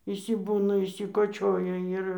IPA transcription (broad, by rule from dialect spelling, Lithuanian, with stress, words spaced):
ɪʃʲsʲɪˈbuːnɐ ɪʃʲsʲɪkoːˈt͡ʃʲoːjɛ ˈɪr